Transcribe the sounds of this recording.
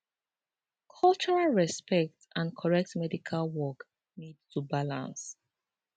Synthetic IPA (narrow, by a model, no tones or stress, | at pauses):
kʰʌlˠt͡ʃɔɹalɹɛspɛk̚tãnkʰɔɹɛk̚tmɛdikʰalwɔk | nidtʰubalã̰ns